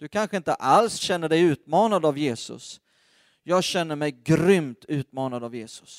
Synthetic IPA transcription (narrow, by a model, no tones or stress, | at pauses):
d̪̥ɵkʰanɧəɪnt̪əʔalsɕɛnːəɖɛjʉ̟ːt̪mɑːnad̪avjeːsɵ̰s | jɑːɡɕɛn̪ːəɾmɛjɡɾʏmt̪ʰʉ̟ːt̪mɑːnad̪avjeːsʊ̥s